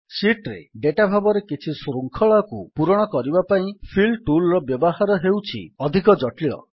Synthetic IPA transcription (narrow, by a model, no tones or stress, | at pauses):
siʈɾḛɖeʈabʱabɔɾekit͡ʃʰisɾuŋkʰɔɭakupuɾɔɽ̃ɔkɔɾibapaĩpʰilʈulɾɔbjɔbɔɦaɾɔɦewt͡ʃʰḭɔd̪ʱik̬ɔd͡ʒɔʈiɭɔ̰